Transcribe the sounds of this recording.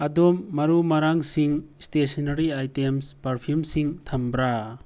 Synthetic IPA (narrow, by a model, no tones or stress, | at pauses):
ɐdomːɐɾumɐɾaŋsiŋstesinɐɾiajtemspɐɾpʰiumsiŋtʰɐmbɾa